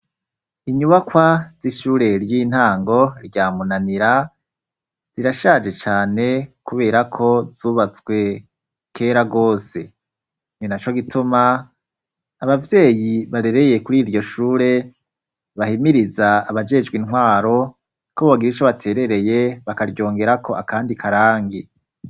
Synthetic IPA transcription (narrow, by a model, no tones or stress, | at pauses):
iɲuβakwaz̥iʃuːɾe̞ɾjiːn̥haːŋɡo̞ɾɟaːmunaniɾa | z̥iɾaʃaːd͡ʒe̞t͡ʃaːne̞kuβe̞ːɾakʰo̞zuːβat͡swe̞ | kʰe̞ːɾaɡo̞ːse̞ | ninat͡ʃo̞ɡitʰuma | βavje̞ːjiβaɾe̞ɾeje̞kuɾiːɾɟo̞ʃuːɾe̞ | βahimiɾizaːβad͡ʒe̞d͡ʒɡwinɦwaːɾo̞ | koββaɡiɾit͡ʃo̞βatʰe̞ɾe̞ɾe̞je̞βakaɾɟo̞ːŋɡe̞ɾakʰo̞ʔakaːndikʰaɾaːŋɡi